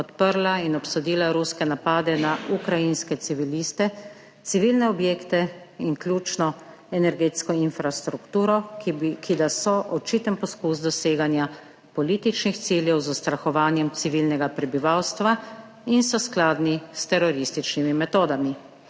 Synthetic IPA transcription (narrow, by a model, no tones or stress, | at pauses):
pɔt̪pəɾlainɔpsɔd̪iːlaɾuskɛnapaːd̪ɛnaukɾajinskɛt̪siʋiliːst̪ɛ | t̪siʋilnɛɔbjeːkt̪ɛ | iŋklʲjuːt͡ʃnɔ | ɛnɛɾɡeːt̪skɔinfɾast̪ɾukt̪uːɾɔkid̪asɔʔɔt͡ʃit̪ənpɔskuːsd̪ɔseːɡanja | pɔliːt̪it͡ʃnixt̪siljɛwzɔst̪ɾaxɔʋaːnjɛmt̪siʋilnɛɡapɾɛbiʋawst̪ʋa | insɔsklaːd̪nist̪ɛɾɔɾist̪it͡ʃnimimɛt̪oːd̪ami